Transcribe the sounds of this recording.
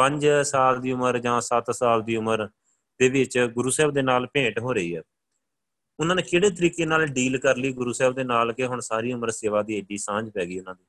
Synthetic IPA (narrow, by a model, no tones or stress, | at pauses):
pə̃ɲd͡ʒsaːld̪iːʊməɾd͡ʒãːsət̪saːld̪iːʊməɾ | d̪eːʋɪt͡ʃɡʊɾuːsɛːbd̪eːnaːlpẽːʈɦoːɾəiːɛː | ʊnãːneːkeːɽeːt̪̬əɾiːkeːnaːlɖiːlkəɾliːɡʊɾuːsɛːbd̪eːnaːlkeɦʊɳsaːɾiːʊməɾseːʋaːd̪iːeɖiːsãːd͡ʒpɛːɡiːʊnãːd̪iː